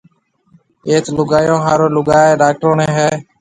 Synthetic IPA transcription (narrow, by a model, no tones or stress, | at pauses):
eːt̪lʊɡaːjõːɦaːɾoːlʊɡaːeːɖaːk̚ʈɾoːnẽːɦɛː